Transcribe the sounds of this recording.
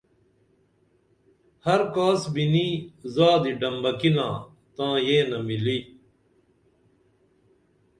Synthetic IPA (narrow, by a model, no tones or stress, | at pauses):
hɐɾkaːsbiniːzaːd̪iɖɐmbɐkilãː | t̪ãːjẽːnɐmiliː